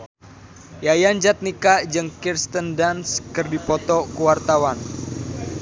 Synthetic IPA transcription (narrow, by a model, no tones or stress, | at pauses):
jajand͡ʒat̪̚nikad͡ʒɨŋkirst̪əndanskɨrdipɔt̪ɔkuwart̪awan